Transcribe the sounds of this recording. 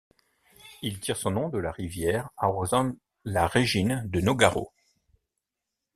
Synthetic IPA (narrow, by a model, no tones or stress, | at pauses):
ilt̪ʰiʁsɔ̃nɔ̃d̪əlaʁivjɛʁaʁozɑ̃ | laʁeʒind̪ənoɡaʁo̰